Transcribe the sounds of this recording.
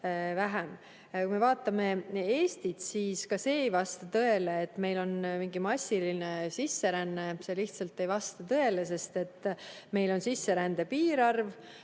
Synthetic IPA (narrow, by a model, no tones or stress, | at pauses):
væɦem | kume̞vɑːt̪ːˑɑme̞e̞ːst̪it̪siːskɑse̞ːejvɑst̪ɑt̪ɤ̞e̞leːt̪ːˑme̞jlo̞nmiŋɡimɑsʲːiline̞sisːe̞ɾænːese̞liht̪sɑlt̪ːˑe̞jvɑst̪ɑt̪ɤ̞e̞les̬e̞st̪e̞t̪ːˑme̞jlo̞nsisːe̞ɾænd̪̥e̞piːɾɑrv